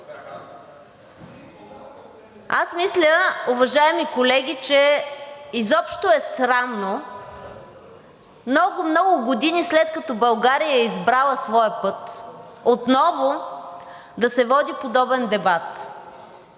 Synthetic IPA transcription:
a̰smislʲəʊvɐʒaɛmikolɛɡʲit͡ʃɛ | izɔpʃt̪oɛst̪ɾanːo | mnɔɡʊmnɔɡʊɡod̪inislɛt̪̚kɐt̪ɔbɐlˠɡaɾijəɛizbɾalˠəsvɔjəpɤt̪ot̪nɔvʊ | d̪ɐsɛvɔd̪ipod̪ɔbɛnd̪ɛbat̪

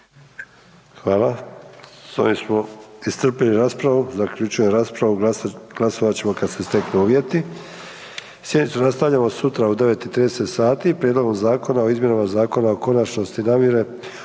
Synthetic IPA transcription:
xʋaːla | so̰nimsmo̞ist̪r̩piliɾaːspɾaʋuzakʎut͡ʃuje̞mɾaːspɾaʋuɡ̥lˠaso̞ʋat͡ɕe̞mo̞kad̪se̞st̪e̞knuuːʋje̞t̪i | sjed̪nit̪sunast̪aʋʎamo̞sut̪ɾaud̪e̞ʋe̞t̪it̪ɾiːd̪eset̪saːt̪iːpɾʲjed̪lo̞ɡo̞mzaːko̞naoizmjenomazaːko̞nao̞ko̞nat͡ʃno̞st̪inaːmjeɾe̞

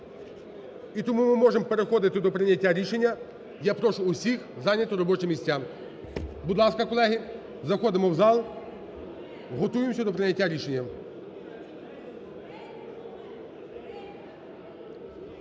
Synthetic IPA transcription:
it̪ɔmumɪmɔʒempeɾexɔd̪ɪt̪ɪd̪ɔpɾɪnʲɐtʲːaɾʲiʃenʲːɐ | japɾɔʃʊːsʲixzɑnʲɐt̪ɔɾɔbɔt͡ʃɪmʲːisʲtʲam | bud̪lˠɑskɐkɔlˠɛɦi | zɐxɔd̪ɪmɔwzɑlˠ | ɦɔt̪ujemsʲɐd̪ɔpɾɪnʲɐtʲːaɾʲiʃe̞nʲːɐ

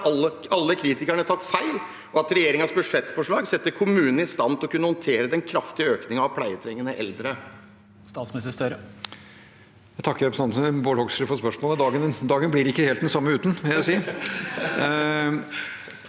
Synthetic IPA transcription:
əɑlːəkʰɾiːt̪ɪkæɳət̪ʰɑt̪ːfæɪl | ʔɔɑt̪ɾɛjeːɾɪŋɑsbʉʂɛt̪ːfɔʂɭɑːɡsɛt̪ːəɾkʰʊmʉːnn̩ɪst̪ɑnt̪ʰlɔkʉnːəhɔnt̪ʰeːɾəd̪ɛnkʰɾɑft̪ɪəøːknɪŋɑʋpʰlæɪət̪ʰɾɛŋːənəʔɛ̰ld̪ɾə | st̪ɑːt̪smɛsəst̪œɾə | æt̪ʰɑkːəɾɛpɾsəɑnboːɽhɔɡsiːfɔɾspœʂmoːləd̪ɑːɡənd̪ɑːɡənblɪɾɪkːəheːlt̪̚d̪ɛnsɑmːəʉːt̪nʋɪljæɪsiːə

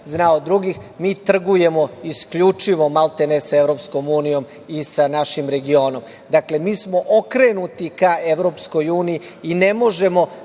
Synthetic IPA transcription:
znaod̪ɾuɡixmiːt̪r̩ɡuje̞mo̞iskʎut͡ʂiʋo̞malˠt̪enesaeʋɾo̞psko̞muːnijo̞m | isanaʃimɾe̞ɡio̞ːno̞m | d̪akle̞miːsmo̞ʔokɾe̞nut̪ikaeʋɾo̞ːpsko̞juːnijiːne̞mo̞ʒe̞mo̞

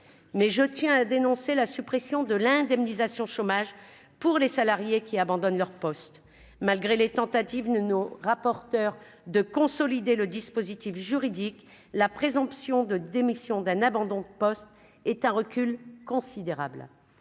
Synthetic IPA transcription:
mɛʒət̪jɛ̃ad̪enɔ̃selasypχesjɔ̃d̪əlɛ̃d̪ɛmnizasjɔ̃ʃomaʒ | puʁlesalaʁjekʲiabɑ̃d̪ɔnlœʁpɔst̪ | malɡʁelet̪ɑ̃t̪at̪ivd̪ənoʁapɔʁt̪œʁ | d̪əkɔ̃sɔlid̪eləd̪ispozit̪ifʒyʁid̪ik | lapχezɑ̃psjɔ̃d̪əd̪emisjɔ̃d̪ɛ̃nabɑ̃d̪ɔ̃d̪əpɔst̪ | ɛt̪ɛ̃ʁəkʲylkɔ̃sid̪eʁa̰bl

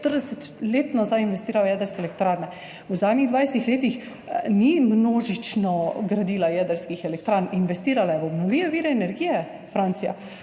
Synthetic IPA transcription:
t̪əɾd̪ɛsɛt̪leːt̪nazajinʋɛst̪iːɾajajɛːd̪əɾskɛːlɛkt̪ɾaːɾnɛ | wzaːd̪niɣd̪ʋajset̪ixleːt̪ix | nimnoːʒit͡ʃnɔɡɾad̪iːlajɛd̪əɾskixɛlɛk̚t̪ɾaːninʋɛst̪iːɾalajɛɔbnɔwliːʋɛʋiːɾɛːnɛɾɡiːjɛ | fɾant̪sija̰

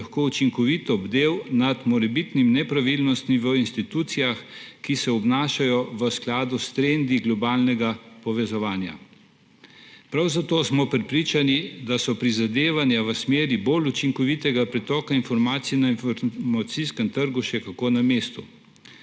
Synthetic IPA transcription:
xkout͡ʃiŋkɔʋit̪ɔbd̪ewnad̪mɔɾɛbit̪nimnɛpɾaʋilnɔst̪miʋəinst̪it̪uːt̪sijaxkisɛɔbnaːʃajɔʋəsklaːd̪ust̪ɾend̪iɡlɔbaːlnɛɡapɔʋɛzɔʋaːnja̰ | pɾawzat̪oːsmɔpɾɛpɾiːt͡ʃanid̪asɔpɾizad̪eːʋanjaʋəsmeːɾibolut͡ʃiŋkɔʋit̪ɛɡapɾɛt̪ɔːkainfɔɾmaːt̪sijnainfɔɾmat̪siskɛmt̪əɾɡuʃɛkakoːnameːst̪u

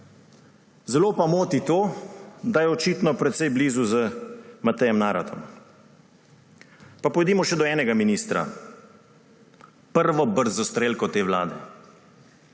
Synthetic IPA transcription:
zɛloːpamoːt̪it̪oːd̪ajɛɔt͡ʃiːt̪nɔpɾɛt̪sɛjbliːzuzəmat̪ɛjɛmnaːɾat̪ʰɔ̰m | papɔjd̪iːmɔʃɛd̪ɔɛːnɛɡaminiːst̪ɾa̰ | pəɾʋɔbəɾzɔst̪ɾeːlkɔt̪eːʋla̰ːd̪ɛ

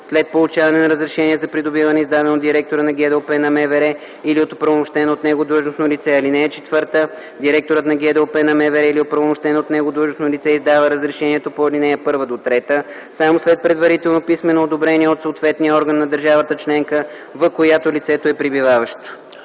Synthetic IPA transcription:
slɛt̪̚polˠʊt͡ʃavɐnɛnɐɾəzɾɛʃɛniɛzɐpɾid̪obivɐnɛizd̪ad̪ɛnod̪iɾɛk̚t̪oɾənɐɡʲɛd̪ɛopɛnɐmɛvɛɾɛ | iliot̪o̥pɾəvomoʃt̪ɛnot̪nɛɡod̪lˠɤʒnosnolit̪sɛɐlinɛːt͡ʃɛ̥t̪vɤɾt̪ə | d̪iɾɛk̚t̪oɾət̪nɐɡʲɛd̪ɛlopɛnɐmɛvɛɾɛiliot̪̚pɾəvomoʃt̪ɛnot̪nɛɡod̪lˠəʒnosnolit̪sɛizd̪avəɾəzɾɛʃɛniɛt̪opoɐlinɛɛpɤɾvəd̪ot̪ɾɛt̪ə | samoslɛt̪̚pɾɛd̪vɐɾit̪ɛlˠnopismɛnoːd̪obɾɛniɛot̪soːt̪vɛt̪nijəɔɾɡənːɐd̪əɾʒavət̪ət͡ʃlɛŋkə | vɐkojat̪olit̪sɛt̪oɛpɾibivavəʃt̪o̥

